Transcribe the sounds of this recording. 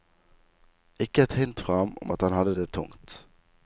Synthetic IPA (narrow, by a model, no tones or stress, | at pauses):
ʔɪkːəɛt̪hɪnt̪fʁɑmɔ̰mʔɑt̪hɑnhɑd̪ːəd̪eːt̪ʰʊ̰ŋt̪